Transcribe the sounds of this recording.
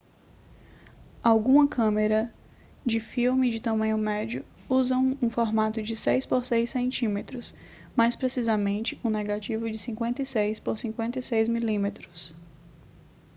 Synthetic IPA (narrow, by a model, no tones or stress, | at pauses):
awɡũmɐkʰɐ̃meɾɐ | d͡ʒɪfiwmɪd͡ʒɪt̪ɐ̃mɐ̃ɲʊmɛd͡ʒiʊ | uzɐ̃w̃ũfɔɾmat̪ʊd͡ʒɪsejspoɾsejsẽnt͡ʃĩmet̪ɾʊsmajspɾesizɐmẽnt͡ʃɪũneɡat͡ʃivʊd͡ʒɪsĩŋkwẽnt̪ɐisejspoɾsĩkwẽnt̪ɐisejzmilĩmet̪ɾʊ̥s